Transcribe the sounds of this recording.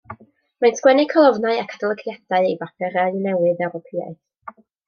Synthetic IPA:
manskwɛnɪkʰɔlˠɔvnaɨakʰad̥ɔlˠəkʰjɛd̥aɨejvapʰɛɾaɨnɛwɨðɛwɾɔpʰia̰θ

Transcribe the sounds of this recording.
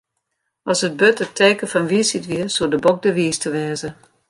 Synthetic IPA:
ɔsət̚bøtətʰeːkəfɔnʋisitʋiəsuədəbok̚dəʋiːstʰəʋɛːzə

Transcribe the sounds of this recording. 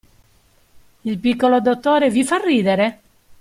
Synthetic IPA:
ilpikːolod̪ot̪ːoːɾevifarːiːd̪eɾe

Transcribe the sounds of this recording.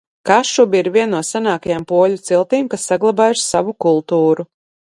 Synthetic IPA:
kaʃubiɾvʲiɛnːuɔsanaːkajampuɔlʲut̪silˠt̪iːmkasːaɡlˠabaːjuʃsavukulˠt̪uːɾu

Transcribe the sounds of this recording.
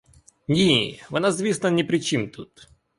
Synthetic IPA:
nʲivɨnazvʲisnənʲɪpɾʲɪt͡ɕint̪ut̪

